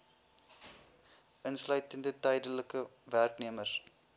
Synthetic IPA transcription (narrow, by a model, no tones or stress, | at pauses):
ʔənslœɥtəndətɛjdələkəværkniəmər